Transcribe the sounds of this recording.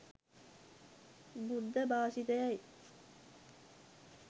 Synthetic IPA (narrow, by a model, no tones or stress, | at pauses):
bud̪ːɐbaːsit̪ɐjɐj